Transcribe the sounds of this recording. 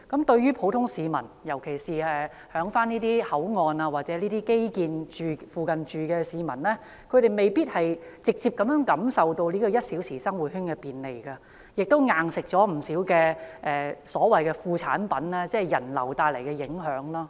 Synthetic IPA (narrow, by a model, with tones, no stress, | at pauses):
kɐ˨˦mt̪ɵ˧ɥɥyː˥pʰo˨˥wt̪ʰʊ˥ŋsiː˨mɐ˨˩njɐ˨˩wkʰe˨˩jsiː˨ɛ˨˩ | hœː˨˥ŋfaː˥niː˥t̪iː˥hɐ˨˥wŋɔː˨˧naː˧waː˨t̚t͡sɛː˨˥liː˥t̪iː˥ke˥jkiː˨˧nt͡ʃyː˨˧fuː˨kɐ˨˩nt͡ʃyː˨kɛː˧siː˨˧mɐ˨˩nlɛ˥ | kʰɵ˨˧ɥɾe˨jme˨jpiː˥t̚hɐ˨jt͡sɪ˨k̚t͡siː˧p̚kɐ˨˦mjœː˧˥ŋkɐ˨˧˥msɐ˨wt̪o˧wliː˥kɔ˧jɐ˥t̚si˨˥wsiː˨˩sɐ˥ŋwuː˨˩t̚hy˥nkɛ˧piː˨nle˨˩jkɐ˧ | jɪ˨k̚t̪o˥wŋaː˨˩ŋsɪ˨k̚t͡sɔː˨˥m̩˨˩siː˨˥wkɛː˧ʔɛː˨sɔː˨˥wɐ˨jkɛ˧fuː˧t͡sʰa̰ː˨˥npɐ˨˥nlɛː˥t͡sɛː˥jɐ˨˩nlɐ̰˨˩wt̪aː˧jlɐ˨˩jkɛ˧jɪ˨˥ŋɦœː˨˥ŋlɔː˥